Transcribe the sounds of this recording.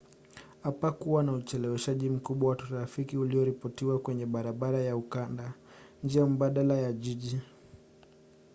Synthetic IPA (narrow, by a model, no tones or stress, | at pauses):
apakuwanaut͡ʃɛlɛwɛʃaʄim̩kuɓwawatuɾafikiuliɔɾipɔtiwakwɛɲɛɓaɾaɓaɾajaukanda | nd͡ʒiam̩ɓaɗalajaʄiʄi